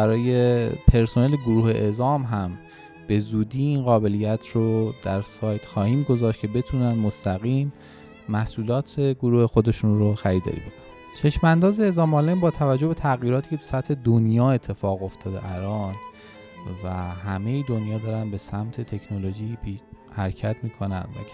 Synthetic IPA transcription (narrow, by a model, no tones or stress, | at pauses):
bæɾɒːje̞pʰe̞ɾso̞neleɡoɾuːhe̞ʔezɒːmɦæm | b̥e̞zuːd̪iːinɢɒːbe̞lijæt̪ʰrod̪æɾsɒːjt̪xɒːhiːmɡo̞zɒːʃt̪̚cʰe̞be̞t̪ʰuːnænd̪most̪ʰæɣiːmː | æhsʔuːlɒːt̪ʰeɡoɾuːhexo̞d̪e̞ʃunroxæɾiːd̪ɒ̰ːɾḭːbe̞kʰon̥ | t͡ʃʰe̞ʃmænd̪ɒːzeezɒːmɒːlenbɒːt̪ʰævæd͡ʒːohbe̞t̪ʰæɣjiːɾɒːt̪ʰiːkcet̪ʰu̥sæt̪ʰhe̞d̪onjɒːe̞t̪ʰːe̞fɒːɣo̞ft̪ʰɒːd̪ḛʔæɾɒːn | væɦæme̞jid̪o̞njɒːd̪ɒːɾænbe̞sæmt̪ʰe̞t̪ʰe̞cʰnoloʒiːbihæɾcʰæt̪ʰmiːkʰo̞næ̰nd̪væ̰